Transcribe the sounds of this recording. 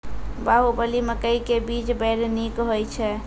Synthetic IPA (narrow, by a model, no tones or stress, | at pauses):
baɦubəliməkəjkebit͡ʃbəɾnikɦojt͡ʃʰɛ